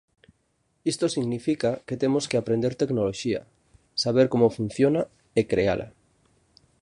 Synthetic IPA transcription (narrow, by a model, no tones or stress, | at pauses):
ist̪osiɣnifikaket̪emoskeapɾẽnd̪eɾt̪eknoloʃiɐ̰ | saβeɾkomofun̟θjona | ekɾea̰lʔa̰